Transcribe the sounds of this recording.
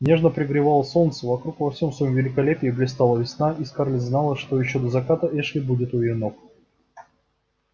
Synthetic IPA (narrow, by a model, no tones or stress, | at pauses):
nʲeʐnəpɾʲɪɡɾʲɪvalˠəsont̪səvɐkɾukvɐfsʲo̞msvõmvʲɪlʲɪkɐlʲepʲɪjːblʲɪst̪alˠəvʲɪsnaʔiskarlʲɪznalˠəʂt̪ojɪɕːod̪əzɐkat̪əʔɛʂlʲɪbudʲɪt̪ʊɪɪnok